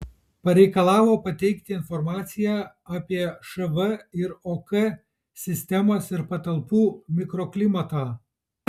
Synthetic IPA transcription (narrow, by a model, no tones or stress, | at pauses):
pɐɾʲɛɪkɐlˠɑːʋoːpɐt̪ʲɛɪkt̪ʲɪɪnfɔɾmɑːt̪sʲɪjæ | aːpʲiɛʃɐʋɐɪɾoːkɛ | sʲɪsʲt̪ʲɛmoːsɪɾpɐt̪ɐlˠpuːmʲɪkɾɔklʲɪmɐt̪ɑː